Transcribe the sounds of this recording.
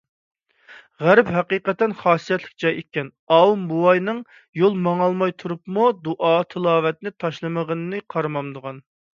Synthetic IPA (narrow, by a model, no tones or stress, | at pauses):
ʁæɾɪpɦɛqiːqɛt̪ːɛnχɑːsijɛt̪lɪ̥k̚ʲd͡ʒɑjekʲɛn | ɑwumbuwɑjnɨŋ | jolˠmɑŋɑlˠmɑjt̪ʰuɾupmud̪uʔɑt̪ʰɨlˠɑːvɛt̪̚nɪt̪ʰɑʃlˠɨməʁənɨnɨqʰɑɾmɑmd̪əʁɑn